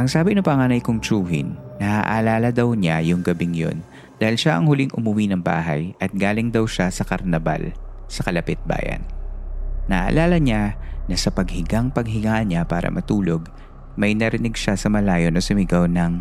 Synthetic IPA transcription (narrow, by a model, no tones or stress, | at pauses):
ʔɐŋsaːbɪnʊpɐŋaːnɐjkʊŋt͡ʃuːɦɪ̰nːɐha̰ʔɐlaːlɐd̪ɐwɲajʊŋɡɐbɪŋjo̰n | d̪aːhɪlʃaʔɐŋhʊlɪŋʔʊmʊwinɐŋba̰ːɦɐ̰jʔɐt̪̚ɡaːlɪŋd̪ɐwʃasɐkɐɾnɐba̰l | sɐkɐlɐpɪt̪̚ba̰ːjɐ̰nː | ɐʔɐ̰laːlɐɲanɐsɐpɐɡ̚hɪɡaŋpɐɡ̚ɦɪŋaːʔɐnɲapa̰ːɾɐ̰mʔɐt̪uːlo̞ɡ | mɐjnɐɾɪnɪɡ̚ʃasɐmɐlaːjonʔɐsʊmɪɡɐwnɐŋ